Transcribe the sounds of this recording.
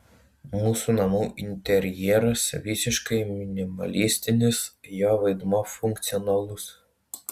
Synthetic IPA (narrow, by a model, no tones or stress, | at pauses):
musʊnɐmuʔint̪eɾʲjɛɾɐsʋʲisʲɪʃkɐjmʲinʲimɐ̰lʲisʲt̪ʲɪnʲɪsjɑʋed̪mɑfuŋkt̪sʲiɔnɑlˠus